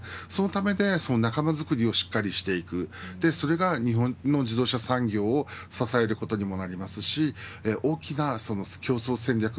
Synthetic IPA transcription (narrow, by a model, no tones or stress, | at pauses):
so̞no̞t̪ame̞d̪e̞so̞no̞nakamazɨkɯ̟ɾʲio̞ɕi̥kːaɾʲiɕi̥t̪e̞ikɯ̟d̪̥e̞so̞ɾe̞ɡaɲ̟iɦõ̞no̞ʑid̪o̞ːɕasãŋɡʲo̞ːsasae̞ɾɯ̟ko̞t̪o̞ɲ̟imo̞naɾʲimasɨɕieʔo̞ːkʲinaso̞nokʲo̞ːso̞ːsẽ̞nʲɾʲakɯ